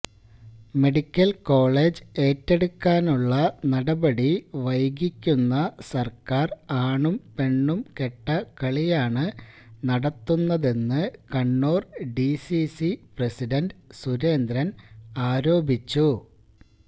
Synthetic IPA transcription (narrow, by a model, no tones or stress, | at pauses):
me̞ɽikʲːɐlko̞ːɭe̞ːd͡ʑe̞ːtːe̞ɽukːaːnuɭːɐnɐɽɐbɐɽiʋɐjɡikʲːunːɐsɐrkaːraːɳumpe̞ɳːumke̞ʈːɐkɐɭijaːɳɨnɐɽɐt̪ːunːɐðe̞nːɨkɐɳːo̞ːrɖisisiprɐsiɖɐndɨsuɾe̞ːnd̪ɾɐnaːɾo̞ːbʱit͡ɕːu